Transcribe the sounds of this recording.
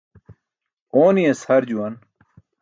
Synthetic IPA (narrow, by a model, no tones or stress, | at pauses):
oːniɐshɐɾd͡ʑuwɐn